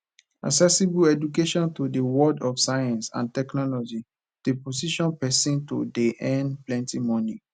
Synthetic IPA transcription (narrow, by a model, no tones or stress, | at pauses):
a̰ksɛsibuɛdukeʃɔ̃ntodewɔdɔfsajãnsã̰ntɛknɔlɔd͡ʒi | d̥eposiʃɔ̃npɛsĩnto̰deʔɛ̃nplɛ̃ntimɔ̃ni